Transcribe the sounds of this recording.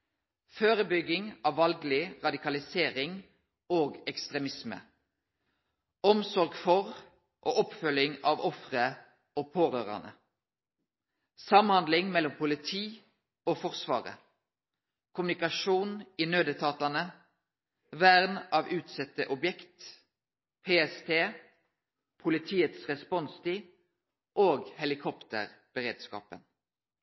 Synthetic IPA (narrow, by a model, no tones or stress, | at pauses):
føːʁəbʏɡɪŋɑːʋːɑlɡlɪʁɑd̪ɪkɑlɪseːʁɪŋ | oːɡɛkst̪ʁɛmɪsmə̰ | ɔmsɔʁɡfɔʁ | ʔoːʔɔpfœlɪŋɑːʋɔfʁə | oːpʰoːʁøːʁɑ̰nə̰ | sɑmhɑnd̪lɪŋmɛlːɔmpʊlɪt̪ʰiː | oːfɔʁsʋɑ̰ːʁə̰ | kʰʊmnɪkɑʂuːninøːd̪ət̪ʰɑːt̪ɑnə | ʋæʁnʔɑːʋʉːt̪sɛt̪əʔɔbjɛkt̪ | pʰeːɛst̪ʰeː | pʰʊlɪt̪ʰiːət̪sʁɛspɔnst̪ʰɪ | ʔoːɡhɛlɪkʰɔpt̪ə̰ʁb̥əʁeːd̪skɑ̰ːpə̰n